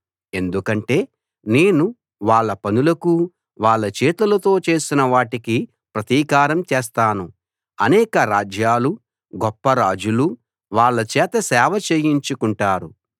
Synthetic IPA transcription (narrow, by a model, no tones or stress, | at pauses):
e̞nd̪ukɐɳʈe̞ː | ne̞ːnu | ʋaːɭːɐpɐnulɐku | ʋaːɭːɐt͡ʃeːt̪ulɐt̪o̞ːt͡ʃe̞ːsinɐʋaːʈiki | pɾɐt̪iːkaːɾɐmt͡ʃɛːs̬t̪aːnu | ɐnɛːkɐɾaːd͡ʒjaːlu | ɡɔpːɐɾaːd͡ʒulu | ʋaːɭːɐt͡ʃɛːt̪ɐsɛːʋɐt͡ʃeːjiɲt͡ʃukuɳʈaːɾu